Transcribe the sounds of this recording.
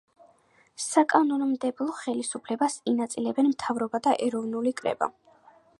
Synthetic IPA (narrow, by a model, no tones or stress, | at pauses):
sakʼanɔnmd̪ɛblˠɔχɛlisupʰlɛbasinat̪sʼilɛbɛnmt̪ʰavɾɔbad̪aʔɛɾɔvnulikʼɾɛ̰ba̰